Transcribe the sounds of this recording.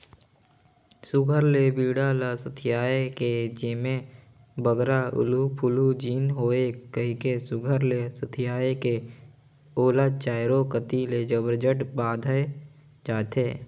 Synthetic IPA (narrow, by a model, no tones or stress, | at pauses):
sʊɡʱəɾlebiːɽaləsət̪ʰɪjaːeked͡ʒɪmẽ | bəɡɾaʊ̰lupʰʊlud͡ʒiːnɦoːekəɦĩkesʊɡʱəɾlesət̪ʰɪjaːeke | oːlat͡ʃaːjɾokət̪iled͡ʒəbəɾd͡ʒəʈbaːd̪ʱəe | d͡ʒaːt̪eː